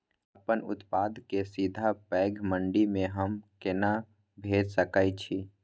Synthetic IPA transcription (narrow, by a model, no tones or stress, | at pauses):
əpənʊt̪pad̪ʱkesid̪ʱapɛɡʱməɳɖimeɦəmkena | bʱed͡ʒsəkəɪt͡ʃʰi